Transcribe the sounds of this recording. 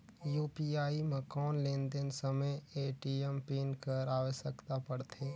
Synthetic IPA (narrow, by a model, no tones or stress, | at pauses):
juːpiaːiməkɔːnlẽːnd̪ensəməjeːʈiempeːnkəɾaːʋəʃəkt̪apəɽt̪ʰeː